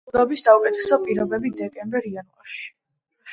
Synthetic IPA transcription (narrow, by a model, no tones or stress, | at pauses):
d̪abisːaukʼɛt̪ʰɛsɔpʼiɾɔbɛbid̪ɛkʼɛmbɛɾianva̰ɾʃi̥